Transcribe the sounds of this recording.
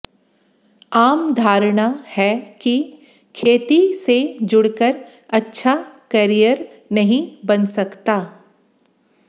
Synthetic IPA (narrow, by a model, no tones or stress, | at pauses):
aːmd̪ʱaːɾɽ̃ahɛki | kʰeːt̪ised͡ʒʊɽkəɾ | ɐtːʃʰakɐɾijəɾ | nɐɦĩbɐnsɐkt̪aː